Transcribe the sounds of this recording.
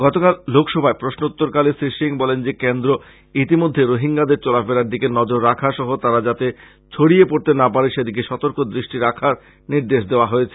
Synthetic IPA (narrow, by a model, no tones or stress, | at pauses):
ɡ̥ɔt̪okallokʰʃɔbʱaepɾoʃnout̪ːoɾkalesiʃiŋbɔlend͡ʑekend̪ɾo | it̪imod̪ʱːeɾoɦiŋɡad̪eɾt͡ɕɔlafeɾaɾd̪ikenɔd͡ʑoɾːakʰaʃɔɦot̪aɾad͡ʑat̪e | t͡ɕʰoɽiepoɾt̪enapaɾeʃed̪ik̬eʃɔt̪oɾkod̪ɾiʃʈiɾakʰaɾ | niɾd̪eʃd̪eoaɦojet͡ɕʰe̥